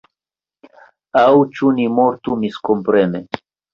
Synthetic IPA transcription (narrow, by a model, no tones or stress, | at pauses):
awt͡ʃunimoɾt̪umiskompɾene